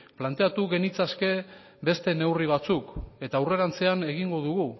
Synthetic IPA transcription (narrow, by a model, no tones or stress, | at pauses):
plant̪e̞at̪uɣe̞nit͡saske̞ | be̞st̪e̞ne̞wriβ̞at͡suke̞t̪awre̞ɾant͡se̞ane̞ɣ̞iŋɡo̞ðuɣu